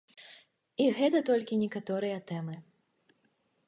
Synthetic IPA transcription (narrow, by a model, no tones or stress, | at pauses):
iɣɛt̪ɐt̪ɔlʲkʲinʲɛkat̪ɔɾɨjɐt̪ɛmɨ